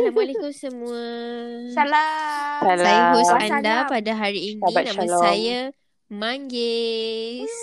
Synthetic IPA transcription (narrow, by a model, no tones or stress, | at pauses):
amolekusəmũəsalasalajɦosadapadaɦaɾiːnabanãmãlsaja | maŋɡɪ | s